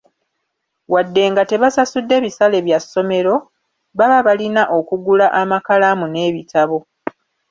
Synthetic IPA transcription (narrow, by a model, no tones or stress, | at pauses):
wadːe̞ːŋɡate̞βasasudːe̞ːβisale̞βjasːo̞me̞ɾo̞ | βaβaβalinaʔo̞kuɡulaʔamakalamune̞ːβitaβo̞